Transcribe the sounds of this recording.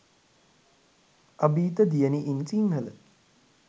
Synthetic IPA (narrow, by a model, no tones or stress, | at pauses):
ɐbiːt̪əd̪ijəniʔinsiŋɦələ̰